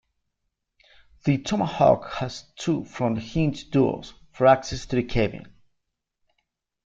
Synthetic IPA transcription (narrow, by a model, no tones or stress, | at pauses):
ðɨtʰɔməhɑ̰khəz̥tʰufɹʌ̃mðɨhĩnzd̥ɔ̰lz̥ | fə˞æksɛstʰɨðɨkʰeɪbiɨ̰̃n